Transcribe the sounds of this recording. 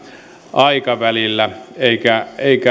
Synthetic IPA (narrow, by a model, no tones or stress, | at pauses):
ʔɑikɑʋælilːæeikæeˑikæ